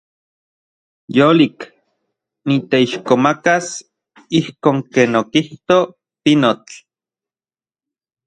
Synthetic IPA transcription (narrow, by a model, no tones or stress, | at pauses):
joːlik | nit̪eiʃkomakas | ihkoːŋkeːnokiht̪o | pinot͡ɬ